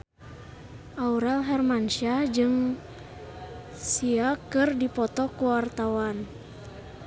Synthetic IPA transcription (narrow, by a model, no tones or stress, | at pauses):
ʔauɾɛlɦɛrmanʃad͡ʒɨŋ | siakɨrdipɔt̪ɔkuwart̪awan